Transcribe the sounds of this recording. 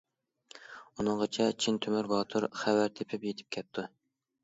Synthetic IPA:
unɨŋʁət͡ʃʰɛt͡ʃʰint̪ʰømyɾbɑːt̪ʰuɾχæwæɾt̪ʰepʰɪpjet̪ʰɪ̥p̚kʲʰɛp̚t̪ʰu

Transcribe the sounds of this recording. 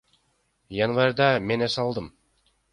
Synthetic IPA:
janvaɾʲd̪ɑme̞nesɑlˠd̪ɯm

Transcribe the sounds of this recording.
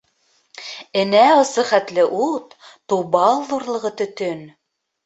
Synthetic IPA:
ɘ̆næɤ̆sɤχæt̪lɘʔut̪ː | ubɑlˠðuɾlˠɤ̆ʁɤt̪ɵ̆t̪ɵn

